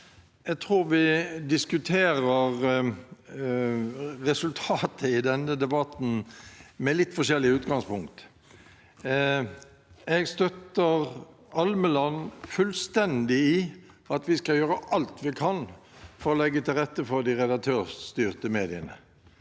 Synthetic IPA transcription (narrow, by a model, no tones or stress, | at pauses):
ɛt̪ʰʁuːɾʋɪd̪ɪskʉt̪ʰeːɾəʁ | ʁɛsʉlt̪ʰɑːt̪ʰəɪd̪ɛnːəd̪ɛbɑt̪n̩mɛlɪt̪ːfɔʂɛlːɪʉːt̪ɡɑŋspʰʊŋk̚t̪ | ɛɡst̪œt̪əʁ | ɑlməlɑnfʉlst̪ɛnd̪ɪi | ɑt̪ʋɪskɑljøːɾəʔɑlt̪ʋɪkʰɑnfɔɾɔlɛɡːət̪ʰɪlʁɛt̪ːəfɔʁd̪ɪʁɛd̪ɑk̚t̪ʰøːʁt̪yːʁt̪əmeːd̪ɪənə